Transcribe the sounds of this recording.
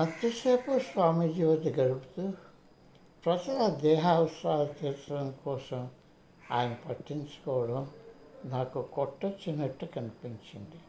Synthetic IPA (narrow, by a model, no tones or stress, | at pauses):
mɐt̪jɐseːpusʋaːmid͡ʒiːʋɐd̪iɡɐɽubut̪u | pɾɐt͡ʃɐlɐd̪ɛːɦaːʋɐsɾaːlɐt̪iːɾt̪ːɐɽɐŋkɔːsɐm | a̰ːjɐnɐpɐʈːiɲt͡ʃɐ̥kɔːʋɐɽɐmnaːkukɔʈːɐt͡ʃːinɐʈːukɐnipiɲt͡ʃind̪i